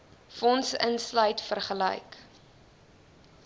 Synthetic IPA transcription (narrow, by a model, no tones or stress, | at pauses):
fɔnsə̰nslœjtfərχələ̰jk